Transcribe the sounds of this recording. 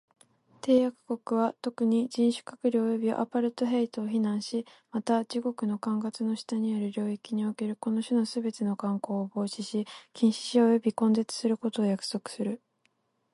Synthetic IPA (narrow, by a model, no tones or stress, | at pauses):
t̪e̞ːjakɯ̟̥ko̞kɯ̟β̞at̪o̞kɯ̟ɲ̟id͡ʑĩɰ̃ɕɨ̥kakɯ̟ɾʲoojo̞bʲio̰ʔa̰paɾɯ̟t̪o̞ɦeit̪oːçinãɰ̃ɕi | mat̪ad͡ʑiɡo̞kɯ̟no̞kãŋɡat͡sɨno̞ɕi̥t̪aɲ̟ijaɾɯ̟ɾʲo̞ːikʲiɲ̟ioke̞ɾɯ̟ko̞no̞ɕɨnosɨbe̞t̪e̞no̞kãŋko̞ːbo̞ːɕiɕikʲĩɰ̃ɕi̥ɕiojo̞bʲikõ̞nd̪e̞t͡sɨ̥sɨɾɯ̟ko̞t̪o̞ːjakɯ̟̥so̞kɯ̟̥sɨɾɯ̟